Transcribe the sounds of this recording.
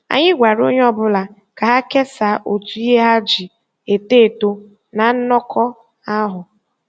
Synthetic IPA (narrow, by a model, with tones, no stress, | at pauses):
a̰˨ɲɪ˦ɡʷa˨ɾo˦ɲ˦ɔ˦bʊ˦la˨ | ka˨ɦa˦ke˦sa˨˦ʔo˨tu˨i˦ɦe˦ɦa˦d͡ʒi˨ | e˨te˦˨to˦ | na˨n̩˦nɔ˦kʰɔ˦ | a˦ɦʊ˨